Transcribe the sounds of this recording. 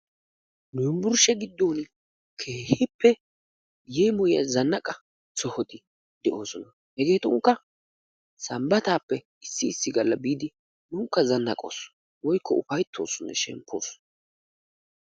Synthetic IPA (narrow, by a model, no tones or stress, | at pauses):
nʊjɪmbʊɾʃɛɡɪd̪ːo̞ːn | kʰeːhɪpːɛ | jeːmɔjɐ̰zɐnːɐkʼɐ | t͡sɔhɔt̪ɪ | d̪ɛʔo̞ːsɔnɐ | hɛɡe̞ːt̪ʊŋkːɐ | sɐmbɐt̪aːpːɛ | ɪsːɪːsːɪɡɐlːɐbiːd̪ɪ | nʊŋkːɐzɐnːɐ̰kʼo̰ːsɔ̥ | wɔjkːɔ̰ʊfɐjt̪ʰːo̞ːsɔnːɛ̰ʃɛ̰mpʰːo̞̰ːsɔ̥nɐ